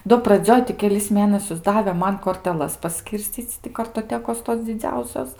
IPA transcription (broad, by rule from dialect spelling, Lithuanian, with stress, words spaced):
doː prɐˈd͡zʲoːj tʲɪ kʲɛˈlʲɪs ˈmʲeːnɐsʲʊs ˈdɑːʋʲɛ ˈmɐn koːrʲtʲɛˈlˠɐs pɐˈsʲkʲiːrʲsʲt͡sʲiːt͡sʲ tʲɪ kɐrtoːˈtʲæːkoːs toːs d͡zʲɪˈd͡zʲɛʊsʲoːs